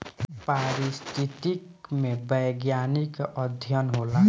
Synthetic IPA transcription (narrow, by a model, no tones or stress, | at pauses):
paɾist̪ʰit̪ikmebəjɡjanikʌd̪ʱjʌnɦola